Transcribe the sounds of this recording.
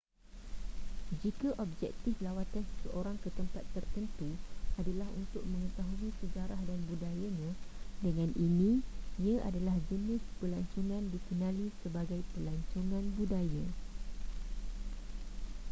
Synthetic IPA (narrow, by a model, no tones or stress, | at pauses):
d͡ʒikaʔɔb̚d͡ʒɛ̰k̚t̪ɪflawat̪ansə̥səʔoɾaŋkət̪əmpat̪ːərt̪ənt̪uadalaɦunt̪ʊk̚mə̃ŋət̪aɦuisəd͡ʒaɾahdanbudajaɲãdəŋãnʔinĩiaʔadalahd͡ʒənɪ̃spəlaɲt͡ʃoŋãndikənãlisəbaɡajpəlaɲt͡ʃoŋãnbudaja